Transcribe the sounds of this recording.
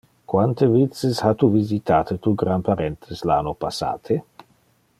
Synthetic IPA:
kwant̪evit̪seshat̪uvizit̪aːt̪et̪uɡɾanpaɾent̪ʰeslanopasa̰ːt̪ʰe

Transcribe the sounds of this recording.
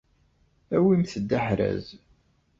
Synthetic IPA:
æwimθəd̪ːaħɾæ̰z

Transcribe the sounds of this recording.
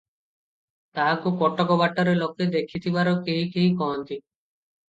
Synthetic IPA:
t̪aɦakupɔʈːɔkɔbaʈːɔɾelɔked̪ekʰit̪ʰibaɾɔkeɦikeɦikɔɦɔnt̪i

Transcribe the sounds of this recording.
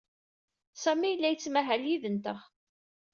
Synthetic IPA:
sæmijəlːæjət͡sːmæɦæljiðənt̪əχ

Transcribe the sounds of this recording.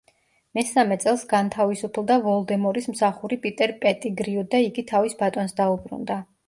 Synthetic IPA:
mɛsamɛt̪sʼɛlˠsɡant̪ʰavisupʰlˠd̪avɔlˠd̪ɛmɔɾismsaχuɾipʼit̪ʼɛɾpʼɛt̪ʼiɡɾiɔd̪aiɡit̪ʰavisbat̪ʼɔnsd̪aubɾṵnd̪a

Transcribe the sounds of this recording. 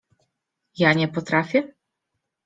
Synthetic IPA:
jaɲʲɛpɔt̪ɾafʲjɛ

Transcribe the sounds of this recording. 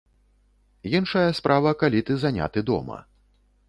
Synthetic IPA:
jinʂɐjɐspɾʔavɐkalʲit̪ɨzanʲa̰t̪ɨd̪ɔ̰mɐ̰

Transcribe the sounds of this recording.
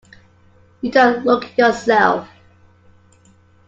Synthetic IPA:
jɨdõʊ̃ntlʊkjɔsɛlˠf

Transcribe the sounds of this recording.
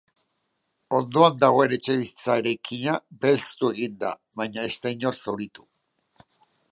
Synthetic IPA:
o̞nd̪o̞and̪aɣ̞o̞e̞ɾet͡ʃe̞βist͡sae̞ɾajkʰiɲabe̞lst̪ue̞ɣ̞ind̪a̰ | βajɲae̞st̪ajɲo̞ɾsoɾit̪u̥

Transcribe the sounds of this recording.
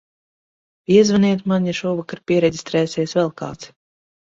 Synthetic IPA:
iɛzvaniɛt̪manʲjaʃuːvakaɾpʲiɛɾɛɟʲist̪ɾɛːsɛsvɛlˠka̰ːt̪s

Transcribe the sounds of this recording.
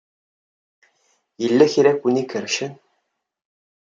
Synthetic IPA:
ilːɘxʲiɾækunikʰɘ̆ɾɕɘ̆

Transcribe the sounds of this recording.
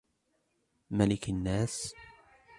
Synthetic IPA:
malɪkanːaːs

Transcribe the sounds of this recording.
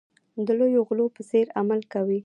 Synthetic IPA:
d̪əlojoɣlopəseɾamalkawi

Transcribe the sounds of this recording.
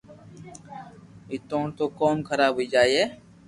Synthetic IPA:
ɪt̪õːt̪oːkoːmkʰəɾaːbʱɦoiːd͡ʒaːieː

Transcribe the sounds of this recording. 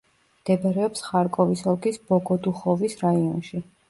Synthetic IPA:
md̪̥ɛbaɾɛɔpsχaɾkʼɔvisɔlˠkisb̥ɔɡɔd̪uχɔvisɾaiɔnʃi

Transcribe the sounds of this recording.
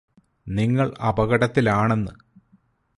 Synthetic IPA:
niŋːɐɭɐ̰bɐɣɐɽɐt̪ːilaːɳe̞nːɨ

